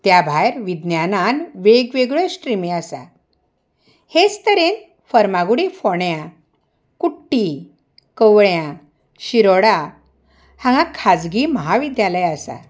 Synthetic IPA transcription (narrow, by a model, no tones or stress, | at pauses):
t̪jabʱajɾʋid̪njananʋeɡʋeɡɭəsʈɾimiasa̰ | hed͡zt̪əɾen | fəɾmaɡuɽifɔɳjã | kuʈːi | kəʋɭjã | ɕiɾɔɽa | hãŋɡãkʰad͡zɡiːməɦaʋid̪jaləjasa̰